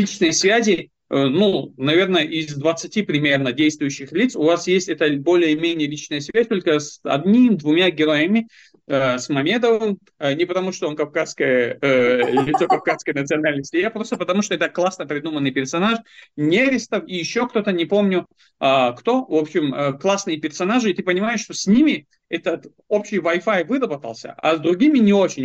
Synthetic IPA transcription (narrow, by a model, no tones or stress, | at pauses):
lʲit͡ɕnəjsvʲæzʲɪ | ənunɐvʲe̞rnəʔɪzd̪vət̪sɨtʲipɾʲɪmʲe̞rnədʲejst̪vʊjʉɕːɪxlʲit̪sʊvasjesʲtʲɛt̪əbo̞lʲɪjəmʲenʲɪjəlʲit͡ɕnəjəsvʲæsʲt̪o̞lʲkəsɐ̰d̪nʲimd̪vʊmʲaɡʲɪɾo̞jəmʲɪ | əsmɐmʲed̪əvɨm | ənʲɪpət̪ɐmuʂt̪oonkɐfkaskəjə | lʲlʲɪt̪so̞kɐfkaskəjnət̪sɨɐnalʲnəsʲtʲɪjapɾo̞st̪əpət̪ɐmuʂt̪oɛt̪əklˠasnəpɾʲɪd̪umənːɨjpʲɪrsɐnaʂnʲevʲɪst̪əfijɪɕːo̞kt̪o̞t̪ənʲɪpo̞mnʲʊ | akt̪o̞vo̞pɕɪməklˠasnɨjəpʲɪrsɐnaʐɨɪt̪ɨpənʲɪmajɪʂːt̪osʲnʲimʲɪ | ɛt̪ət̪ | o̞pɕːɪjvɐjfajvɨɾəbət̪əlˠsʲə̰ʔɐ̰zd̪ɾʊɡʲimʲɪnʲɪo̞t͡ɕɪnʲ